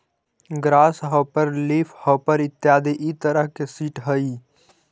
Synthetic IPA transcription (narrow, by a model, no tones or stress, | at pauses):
ɡɾaːsɦəpəɾlipʰhəpəɾɪt̪ːjaːd̪eʔit̪əɾəɦkesiːʈɦəi